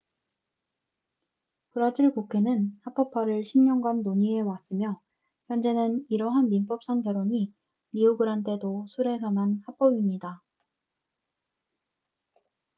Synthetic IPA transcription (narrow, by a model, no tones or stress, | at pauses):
kɯɾad͡ʑiɭkokʰe̞nɯnhap͈ʌpʰaɾɯɭɕʰimɲʌŋɡanːoɲie̞was͈ɯmjʌ | çjʌnd͡ʑe̞nɯniɾʌɦanːimp͈ʌp̚s͈aŋɡjʌɾoɲi | miuɡɯɾɦant͈e̞dosʰuɾe̞sʰananhap͈ʌbimɲida